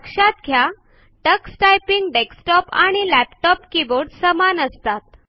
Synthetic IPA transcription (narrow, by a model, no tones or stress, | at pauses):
kɕat̪ɡʱja | ʈəksʈajpiŋɡɖeksʈɔpaɽ̃ilæpʈɔpkiboɾɖsəmanəst̪at̪̚